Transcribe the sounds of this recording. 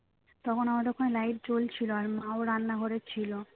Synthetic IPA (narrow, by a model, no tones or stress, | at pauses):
t̪ɔkʰonamad͡ʑɔkʰonelajʈ̚t͡ɕolt͡ɕʰiloaɾmaoɾanːaɦoɾet͡ɕʰilo